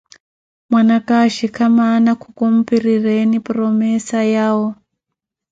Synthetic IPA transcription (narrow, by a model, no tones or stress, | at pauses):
mwanakaʃikʰamanakʰukum̩piɾirenipurɔmɛsajaːwo